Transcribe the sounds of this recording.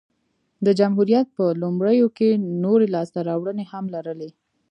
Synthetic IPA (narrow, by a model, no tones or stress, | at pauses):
d̪əd͡ʒamɦuɾijat̪̚pəlʊmɽəjokenoɾelɑst̪aɾɑwɽənehamlaɾəle